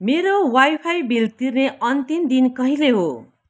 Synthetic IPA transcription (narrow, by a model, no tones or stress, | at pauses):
meɾowajpʰajbilt̪irneʌnt̪imd̪inkʌɦileɦo